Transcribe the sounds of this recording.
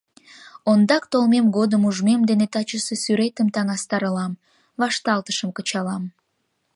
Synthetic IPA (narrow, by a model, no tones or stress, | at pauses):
ond̪ɑkt̪olmemɡod̪əmuʒmemd̪enet̪ɑt͡ɕəsesyɾet̪əmt̪ɑŋɑst̪ɑɾəlɑm | vɑʃt̪ɑlt̪əʃəmkət͡ɕɑlɑm